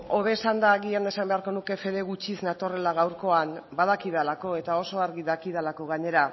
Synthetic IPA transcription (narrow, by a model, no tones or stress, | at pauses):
o̞βe̞sand̪aɣiand̪esambe̞aɾko̞nuke̞fe̞ðe̞ɣut͡ʃisnat̪o̞re̞laɣ̞awɾko̞anbað̞akiðalako̞e̞t̪ao̞so̞aɾɣiðakið̞alako̞ɣaɲe̞ɾa